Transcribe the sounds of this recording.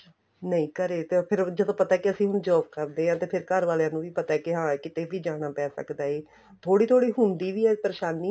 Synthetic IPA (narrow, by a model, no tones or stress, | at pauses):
nəĩːkəɾeːt̪eːpʰɪɾd͡ʒəd̪õːpət̪aɛːkiəsĩːɦʊnd͡ʒɔːpkəɾd̪eːɦãːt̪eːpʰɪɾkəɾʋaːlejãːnũːʋiːpət̪aɛːkiɦãːkɪt̪eːʋiːd͡ʒaːɽ̃aːpɛːsə̰kd̪aːeː | t̪ʰoːɽiːt̪ʰoːɽiːɦʊnd̪iːʋiːɛːpəɾeːʃaːniː